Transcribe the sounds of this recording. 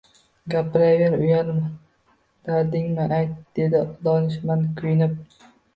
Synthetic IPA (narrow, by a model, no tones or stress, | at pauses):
ɡʲapʰɪɾaɡeɾʊjalm | d̪̥aɾd̪ɪŋmɪʔajt̪̚d̪̥e̞d̪ɪd̪ɒnɪʃmankʰʊjɪnɪp̚